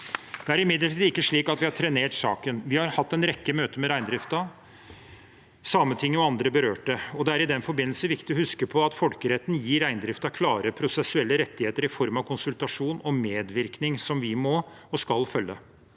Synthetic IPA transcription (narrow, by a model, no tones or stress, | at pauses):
d̪̥ɛæɾɪmɪd̪əʈʰiːd̪ɪkːəʂɭiːkɑt̪ʋɪhɑʈʰɾɛneːʈsɑ̰ːkənʋɪhɑɾhɑt̪ːɛnɾɛkːəmøːt̪əmɛɾæɪnd̪ɾɪft̪ɑ | sɑmːət̪ʰɪŋːəɔɑnd̪ɾəbəɾøːʈɖəɔd̪ɛæɾɪd̪ɛnfɔɾbɪnːl̩səʋɪkt̪ɪɔhʉskəpʰɔɑt̪fɔlkəɾɛt̪ːn̩jiːɾæɪnd̪ɾɪft̪ɑkʰlɑːɾəpʰɾʊsɛsʉɛlːəɾɛt̪ːɪheːt̪əɾɪfɔɾmɑʋkʰʊnsʉlt̪ɑʂuːnɔmeːd̪ʋɪɾknɪŋsɔmʋɪmɔɔskɑlfœlːə̰